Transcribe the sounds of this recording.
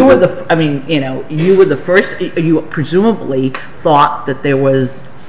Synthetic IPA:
ɨwə˞ðəfaɪmĩnjɨnoʊjɨwə˞ðəfɜ˞stjɨpʰɹ̥ɨzũməbli | θɔt̪̚ðɨt̪̚ðə˞wʌz̥

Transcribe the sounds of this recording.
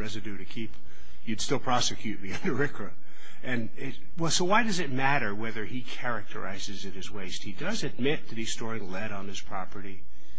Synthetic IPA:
ɹɛzɨdʉɾɨkʰip | jɨd̥stɪlˠpʰɹ̥ɑsɨkʰj̥ʉt̚miʌ̃ndə˞ɪkʰɹɨ | ɨ̃n | ɪ | wɛlˠsoʊwaɪdʌzɨt̚mæɾə˞wɛðə˞ikʰɛɹɨk̚tʰə̰˞ʔa̰ɪzɨzɨt̚hɨzweɪst̚hidʌzɨd̚mɪtʰɨbistɔɹɪ̃ŋlɛɾn̩ɨz̥pʰɹ̥ɑpə˞ɾi

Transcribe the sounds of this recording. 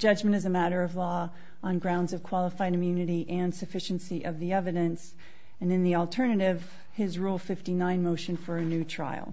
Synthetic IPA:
d̥ʒ̥ʌd͡ʒmɨ̃ñtɨzɨmæɾə˞ʌvlɔ | ə̃nɡɹãʊ̃ndzʌv̥kʰw̥ɑlˠəfaɪɾɨ̃mjʉnɨɾiʔɨ̃nsɨfɪʃɨ̃nsiʔʌvðiɛvɨɾɨ̃ns | ɨ̃nɨ̃nðil̩ˠtʰɜ˞nɨɾɪv̥ | ɪzɹulˠfɪftinãɪ̃nmoʊʃɨ̃nfə˞ɨnʉtʰɹ̥a̰ɪ̰lˠ

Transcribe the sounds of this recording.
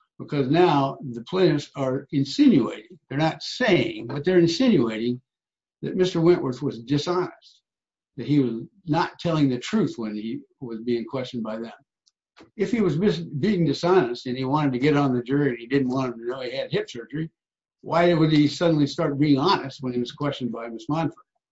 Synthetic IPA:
b̥ɨkʰʌznaʊðɨpʰl̥ɪnɨsə˞ɨ̃nsɪ̃njʉḛɪɾɪ̃ŋðə˞nətseɪɪ̰̃ŋbʌt̪̚ðə˞ɨ̃nsɪ̃njʉeɪɾɪ̃ŋ | ðɨ̰t̚mɪstə˞wɪ̃nʔwə˞θwʌzdɨsɑnɨst̚ | ðɨt̚hiwʌz | nətʰɛlˠɪ̃ŋðɨtʰɹ̥ʉθwə̃ni | wʌzbiɪ̃ŋkʰw̥ɛst͡ʃɨ̃n̩d̚baɪðɨ̃m | ɨfhiwʌzbɪsbiɪ̃ŋdɨsɑnɨstɨ̃niwɑ̃ɾ̃ɨd̚tɨɡɛɾn̩ðɨd͡ʒʊɹiɨ̃nidɪdⁿn̩ʔwɑ̃ñətɨnoʊiɨd̚ɪp̚sɜ˞d͡ʒə˞i | wʔaɪɨwədisʌdⁿn̩listɑɹt̚b̥iɪ̃ŋɑnɨst̚wə̃niwʌz̥kʰw̥ɛst͡ʃn̩̚baɪmɪsmɑ̃nfə˞d

